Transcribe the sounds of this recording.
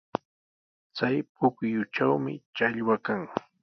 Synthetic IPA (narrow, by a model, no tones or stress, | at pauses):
t͡sajpʊkjʊt͡ʃawmɪ̰t͡ʃaʎwakaŋ